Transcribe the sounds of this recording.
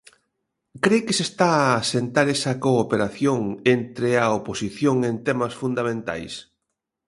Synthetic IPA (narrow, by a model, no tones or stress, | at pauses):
kɾejkesest̪aasent̪aɾesɐkoːpeɾaθjoŋent̪ɾeɐoposiθjoŋent̪emɐsfund̪amẽnt̪a̰js